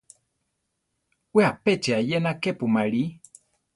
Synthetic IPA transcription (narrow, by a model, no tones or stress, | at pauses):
weapet͡ʃeajenakepumaɺi